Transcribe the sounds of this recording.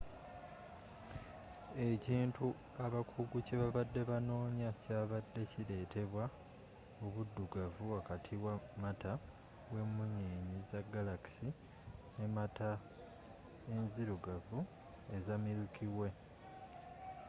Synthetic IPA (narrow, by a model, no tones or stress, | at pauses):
e̞ciːntu | aβakʰuɡuce̞βaβadːe̞βano̞ːɲacaβadːe̞ciɾe̞ːtʰe̞βwa | oβudːuɡavuakatʰiwamata | we̞muɲeːɲizaɡalaki̥si | ne̞mata | enziɾuɡavu | e̞zamiɾukʰiwe̞